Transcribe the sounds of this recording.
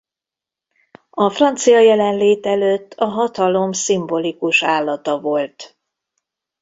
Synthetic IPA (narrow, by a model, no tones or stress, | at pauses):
ɒfrɒnt̪sijɒjɛlɛnleːt̪ɛløt̪ːɒɦɒt̪ɒlo̞msimbo̞likuʃaːlːɒt̪ɒvo̞lt̪